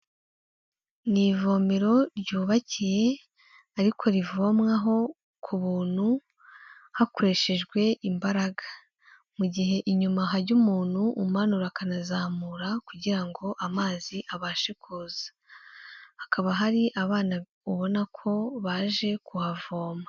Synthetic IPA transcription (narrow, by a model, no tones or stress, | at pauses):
nivo̞ːmeɾo̞ɾɟuːβacije̞ | aɾikʰo̞ɾivo̞mŋaɦo̞ | kʰuβuːn̥hu | hakoɾe̞ʃe̞ʒɡwe̞ʔimbaɾaɡḁ | muɟiɦe̞ʔiɲumaɦaɾɟumuːnhuʔumanuɾakanazaːmuɾakuɟiɾaŋɡo̞ʔamaːziʔaβaːʃekʰuːzḁ | hːkʰaβaɦaɾiʔaβaːna | uβo̞nakʰo̞βaːʒe̞kuhavo̞ːmŋa